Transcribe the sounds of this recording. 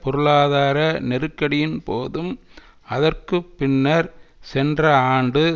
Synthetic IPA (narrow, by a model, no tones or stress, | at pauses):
pɔɾɯɭaːðaːɾɐnɛɾɯkːɐɽɪjɪnpoːðɯm | ɐðɐrkɯpːɪnːɐɾsɛndrɐaːɳɖɯ